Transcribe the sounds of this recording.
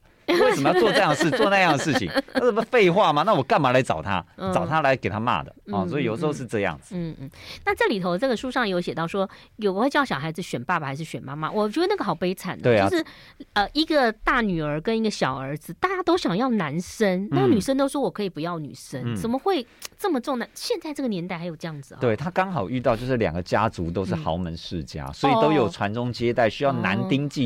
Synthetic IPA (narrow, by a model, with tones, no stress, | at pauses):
we˥˩sə˨mə˦jɑ˥˧˩t͡swʈ͡ʂɤ˥˧jɑ˥˧ŋʂɻ̩˥˩t͡sɔ˥˧na˥˧jɑ˥˩˧ŋəʂɻ̩˥˩t͡ɕʰḭ˨ŋt̪ʰʂ̩˥˩˥fe˥˧ɪxwa˥˩ma˨na˥˩wɔ˨˩ka˥˩nma˧˥la˧˥ɪt͡sɑ̰˨˩ʊt̪ʰa̰˥t͡sɑ˨˩ʊt̪ʰa˥la˧˥ɪke˨˩ɪt̪ʰa˥ma̰˥˩d̪ə̰˩˥˧ssɔ˧˥i˨jo˨˩ʊ˩ʂ̩˧˥o˥˧˥ʂ̩˥˧ʈ͡ʂɤ˥˧jɑ̰˥˩ŋd͡z̩˩n̩˥˩˥na˥˧ʈ͡ʂli˨˩t̪ʰo˧˥ʊt͡sɡə˩ʂu˥ʂɑ˥˩ŋjɛ˧˥jo˧˥ʊɕjɛ˨˩t̪ɑ˥˩ʊʂwɔ˥jo˨˩ʊɡə˧xwe˥˧t͡ɕjɑ˥˩ɕjɑ˨˩ʊxa˧˥ɪd͡zɹ̩˨˩ɕɥɛ˨˩npa˥˩bxa˧˥ɪʂɻ̩˥˩ɕɥɛ˨˩nma˧˥ma̰˨wɔ˨˩t͡ɕɥd̪ə˧na˥˩ɡə˩xɑ˨˩ʊpe˥ɪt͡sʰa̰˨˩nd̪e˥˧o˥˧ʂɻ̩˥˩ | ə˧i˧˥ɡə˧t̪a˥˩ny˨˩ə˞˧˥kə˥ni˧˥ɡə˧ɕjɑ˨˩ʊə˞˧˥d͡zɹ̩˧t̪a˥˩t͡ɕja˥t̪o˥ʊɕjɑ˨˩ŋjɑ˥˩ʊna˧˥nʂə˥nna˥˩ɡə˧ny˨˩ʂə˥nt̪o˥ʊʂwɔ˥wɔ˨˩kʰɤ˧˥i˨˩pu˧˥jɑ˥˩ʊny̰˨˩ʂə˥nt͡sə˨˩nmə˦xwe˥˧ɪʈ͡ʂɤ˥˩mə˩ʈ͡ʂʊ˥˧ŋa˥˩nɕjɛ˥˧nt͡sa˥˧ɪʈ͡ʂɤ˥˩ɡə˩njɛ˧˥nt̪a˥˩xa˧˥ɪjo˨˩ʊʈ͡ʂɤ˥˧jɑ˥˩ŋd͡zɹ̩̰˩˨t̪we˥˩ɪt̪ʰa˥kɑ˥ŋxɑ˨˩ʊy˥˧t̪̬ɑ˥˧ʊt͡ɕjo˥˧ʊʂɻ̩˥˩ljɑ̰˨˩ŋɡə˦t͡ɕja˥t͡su˧˥t̪o˥ʊʂ̩˥˩xɑ˧˥ʊmə˧˦nʂɻ̩˥˨t͡ɕja̰˥swɔ˧˥i˨˧t̪o˥ʊjo˨˩ʈ͡ʂʰwa˧˦˥nʈ͡ʂʊ˥ŋt͡ɕjɛ˥t̪a˥˩ɪɕy˥jɑ˥˩ʊna̰˧˦nt̪i˥ŋt͡ɕi˥˩